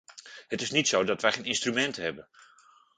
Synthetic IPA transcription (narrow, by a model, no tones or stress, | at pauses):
hətɪsnitsowdɑtʋɛjχejnɪnstrymɛntɦɛbən